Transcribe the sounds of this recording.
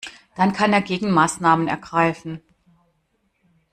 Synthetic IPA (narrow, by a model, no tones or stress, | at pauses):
d̥ankʰaneːɐɡeːɡŋ̩maːsnaːmənɛ̰ɐɡʁaɪfn̩